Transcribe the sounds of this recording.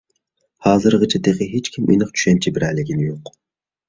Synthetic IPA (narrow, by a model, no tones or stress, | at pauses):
hɑːzɨɾʁɨt͡ʃʰɑt̪eʁɨɦet͡ʃkʲʰimʔḭnɨχt͡ʃʰy̥ʃɛnt͡ʃʰibɪɾælɪɡʲinɪjoq